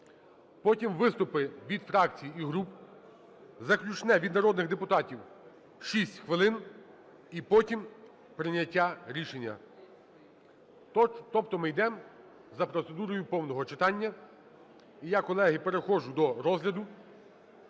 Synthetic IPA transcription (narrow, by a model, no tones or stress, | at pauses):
pɔtʲimʋɪst̪ʊpɪʋʲid̪fɾɑk̚t͡sʲijiiɦɾup | zɐklʲut͡ʃnɛʋʲid̪nɐɾɔd̪nɪɣd̪epʊt̪ɑtʲiw | ʃisʲtʲxʋɪlˠɪn | ipɔtʲim | pɾɪnʲːɐtʲːaɾʲiʃenʲːɐ̰ | t̪ɔpt̪ɔmɪjd̪ɛm | zɐpɾɔt̪se̞d̪uɾɔjʊpɔwnɔɦɔt͡ʃɪt̪ɑnʲːɐ | ijɑkɔlˠɛɦɪpe̞ɾexɔʒʊd̪ɔɾɔzɦlʲɐd̪ʊ